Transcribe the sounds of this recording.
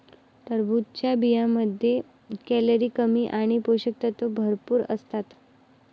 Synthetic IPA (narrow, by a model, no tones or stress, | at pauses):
t̪əɾbʱut̪̚t͡ɕjabijãməd̪ʱːje | kɛləɾiːkəmiːʔaɽ̃ipoɕək̚t̪at̪obʱəɾpuːɾə̰st̪at̪